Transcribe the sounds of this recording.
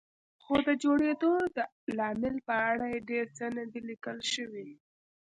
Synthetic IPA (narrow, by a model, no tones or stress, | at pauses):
xod̪əd͡ʒoɽed̪od̪ə | lɑmɪlpəaɽajeɖeɾsənad̪ilikəlʃəwi